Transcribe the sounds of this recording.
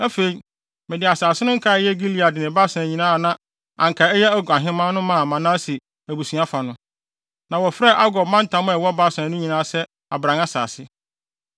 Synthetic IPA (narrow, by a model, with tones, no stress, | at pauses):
æ˦fe˨i˨˦ | mɪ̃˨dɪ˨a˨saː˨sɪ˦nʊ̃˦ŋ̩˦kʰa˦˨˦jɛ˦ɡi˦li˦˨a˨dɪ˨nɪ̃˨ba˦sã˨ɲĩ˨nãː˦˨nã˦ | ã˨ŋ̩˨kʰa˨ɛ˦jɛ˦æ˦ɡa˨ɦɪ̃˦mã˦nʊ̃˦mã˦˨mã˨na˦si˨ | æ˨bu˨su˨˦a˦fa˨nʊ̃˦ | nã˨wɔ˨fɾɛ˦˨ʔa˦ɡɔ˨bmã˦n˦tʰã˨˦m̃˦ɛ˨wɔ˦ba˦sã˨˦nʊ̃˦ɲĩ˨nãː˦sɛ˦ | a˨bɾã˨ŋa˦sa̰ː˨sɪ˦